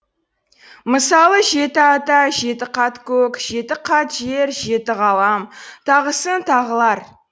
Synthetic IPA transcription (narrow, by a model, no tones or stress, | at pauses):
məsɑlˠəʒe̞t̪ɪɑt̪ɑʒe̞t̪ɪqʰɑt̪kʲʰɵkʒ̥e̞t̪ɪqʰɑt̪ʒe̞ɾʒe̞t̪ɪʁɑlˠɑmt̪ʰɑʁəsənt̪ʰɑʁəlˠɑɾ